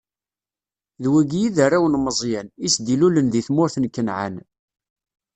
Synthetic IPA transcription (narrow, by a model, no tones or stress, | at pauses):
ðwæɡjiðarːawənməzˤjænisd̪ilulənðiθmʊɾθnkːənʕa̰n